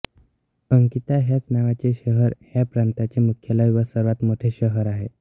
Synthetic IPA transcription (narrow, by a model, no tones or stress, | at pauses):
əŋkit̪aɦjat͡snaʋat͡ɕeɕəɦəɾhjapɾant̪at͡ɕemukʰjələjʋəsəɾʋat̪moʈʰeɕəɦəɾaɦe